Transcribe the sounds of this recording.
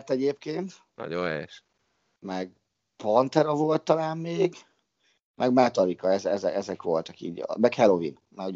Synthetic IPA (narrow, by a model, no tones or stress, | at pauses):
rt̪ɛɟeːp̚keːnt̪ | nɒ̰ɟo̰nɛ̰jɛʃ | mɛɡ̚ | pɒnt̪ɛɾɒvo̞lt̪ːɒlaːmːeːɡ | mʔɛɡmat̪ɒɾikɒɛzɛzɛɛzɛkʋo̞lt̪ɒkḭːɟ̰mɛkhɛlovḭn | mau